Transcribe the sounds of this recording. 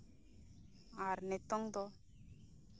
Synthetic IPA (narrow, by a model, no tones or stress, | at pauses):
aɾnet̪ɔŋd̪ɔ